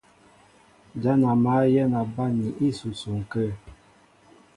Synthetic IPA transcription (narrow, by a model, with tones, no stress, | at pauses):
d͡ʒa˦na˨ma˦jɛ˦na˨ba˦ni˨ʔi˦su˨su˨ŋ̩˨kə˦